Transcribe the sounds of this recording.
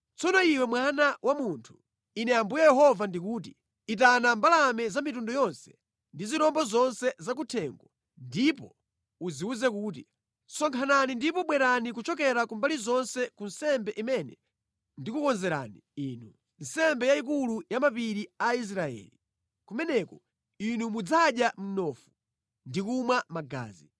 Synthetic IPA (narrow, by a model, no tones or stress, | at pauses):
t͡sɔnɔiwɛmwanawʔamuntʰu̥ | inɛambujɛjɛɦɔvandikuːti | it̬anambalamɛzamitundɔjɔnsɛ̥ | ndiziɾɔmbɔzɔnsɛzakutʰɛŋɡwɔ | ndipɔ | uziuzɛk̬uːt̬i | sɔŋkʰananindipɔɓwɛɾanikut͡ʃɔk̬ɛɾakumbalizɔnsɛkunsɛmbɛʔimɛnɛ | ndikukɔnzɛɾa̰niiːnu | n̩sɛmbɛjaik̬ulujamapiɾiais̬ɾaɛ̰ːli | kumɛnɛkɔ | inumud͡zaɗjam̩nɔfu | ndikumwamaɡa̰ːzi